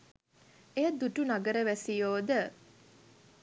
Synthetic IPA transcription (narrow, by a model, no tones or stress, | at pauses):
ejɐd̪uʈunaɡəɾəʋæsijoːd̪ə